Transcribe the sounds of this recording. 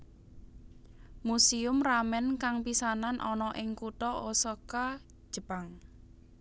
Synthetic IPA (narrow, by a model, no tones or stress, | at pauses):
musiʊmramɛnkaŋpisananʔɔnɔʔɪŋkuʈɔosɔkḁ | ʒ̥əpaŋ